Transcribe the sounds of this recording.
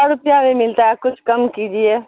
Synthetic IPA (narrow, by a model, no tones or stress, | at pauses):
aɾʊpjãʋemɪlt̪aɦɛkʊt͡ʃʰkɐmkiːd̪iɛː